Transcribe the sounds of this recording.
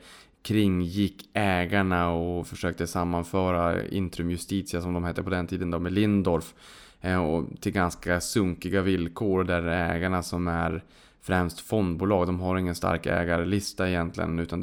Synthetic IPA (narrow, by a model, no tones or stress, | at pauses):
kʰɾɪŋːjɪkːɛːɡaɳaɔfœʂøːk̚t̪əsamːanfœːɾaɪ̰nt̪ɾɵmjɵst̪iːt̪sɪasɔmd̪ɔmhɛːt̪ːəɾpʰɔd̪ɛnt̪ʰiːd̪ənd̪ɔmɛlɪnd̪ɔɾf | ɔt̪ʰɪlɡanskasɵŋkɪɡavɪlkʰoːɾɔd̪ɛæɾɛːɡaɳasɔmæɾ | fɾɛmst̪fɔnd̪̚buːlɑːɡd̪ɔmɦaɾɪŋːənst̪a̰ɾkɛ̰ːɡaɾəlɪst̪aɪjɛnt̪ʰlɪ̰ɡə̰nʉ̟ːt̪and̪